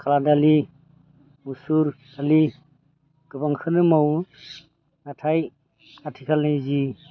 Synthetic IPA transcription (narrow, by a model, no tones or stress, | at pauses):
kʰaladali | usuɾ | dali | ɡ̥ɯbaŋkʰɯnɯmaw | natʰaj | atʰikʰalnajzi